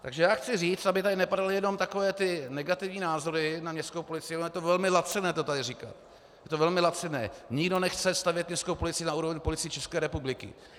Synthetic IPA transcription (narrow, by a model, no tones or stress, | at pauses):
t̪aɡʒɛjaːxt͡sɪriːt͡st̪abɪt̪adɪnɛpadalɪjɛno̞mt̪ako̞vɛːt̪ɪnɛɡat̪ɪvɲiːnaːzo̞ɾɪnamɲɛst̪kowpolɪt͡sɪjɛnomjɛt̪ovɛlmɪlat͡sɛnɛːt̪ot̪adɪriːka̰t̪ | jjɛt̪ovɛlmɪlat͡sɛnɛ̰ːɲɪɡdo̞nɛxt͡sɛst̪avjɛt̪mɲɛst̪kowpolɪt͡sɪnauːɾo̞vɛɲpolɪt͡sɪjit͡ʃɛskɛːɾɛpublɪkɪ̰